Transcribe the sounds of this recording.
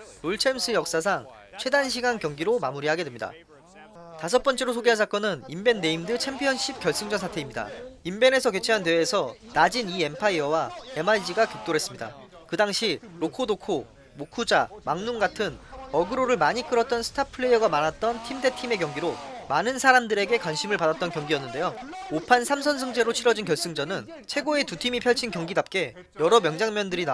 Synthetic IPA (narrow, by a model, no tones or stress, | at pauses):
ɾoɭt͡ɕʰe̞msʰɯjʌk̚s͈as̬ʰaŋ | t͡ɕʰwe̞danɕ̬ʰiɡankjʌŋɡiɾomamuɾiɦaɡedwemɲida̰ | tas̬ʰʌp͈ʌnt͡ɕ͈e̞ɾosʰoɡeɦad͡ʑak͈̚ʌnɯnimbe̞nːe̞imdɯt͡ɕʰe̞mpʰijʌnɕ͈ʰip̚k͈jʌɭs͈ɯŋd͡ʑʌnsʰatʰe̞imɲida̰imbe̞ne̞sʰʌket͡ɕʰeɦandeːsʰʌnad͡ʑinie̞mpʰaiʌwae̞maɭd͡ʑiɡakjok̚t͈oɾɦe̞s͈ɯmɲida̰kɯdaŋɕʰiɾokʰodokʰo | mokʰud͡ʑamaŋnuŋɡatʰɯnʌɡɯɾoɾɯɭmaɲik͈ɯɾʌt̚t͈ʌnsʰɯ̥tʰapʰɯɭejʌɡamanat̚t͈ʌntʰimde̞tʰime̞kjʌŋɡiɾomanɯnsʰaɾamdɯɾe̞ɡe̞kwanɕʰimɯɭpadat̚t͈ʌnkjʌŋɡijʌnːɯnde̞joopʰansʰamsʰʌnsʰʌŋd͡ʑe̞ɾot͡ɕʰiɾʌd͡ʑinkjʌɭs͈ɯŋd͡ʑʌnɯn | t͡ɕʰwe̞ɡoe̞tutʰimipʰjʌɭt͡ɕʰinkjʌŋɡidap̚k͈e̞ | jʌɾʌmjʌŋd͡ʑaŋmjʌndɯɾina